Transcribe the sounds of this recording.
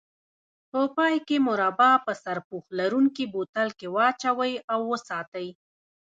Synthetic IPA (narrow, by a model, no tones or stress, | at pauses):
pəpɑjkemʊɾɑbɑpəsaɾpuxlaɾuŋkibot̪alkewɑt͡ʃawəjawːəsɑt̪aj